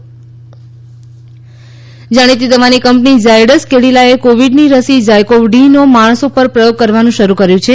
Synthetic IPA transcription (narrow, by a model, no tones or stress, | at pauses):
d͡ʒaɽ̃it̪id̪əʋanikəmpnid͡ʒajɖəskeɽilaekoʋiɖniɾəsid͡ʒajkoʋɖinomaɽ̃sopəɾpɾəjoɡ̚kəɾʋanũʃəɾukəɾjũt͡ʃʰe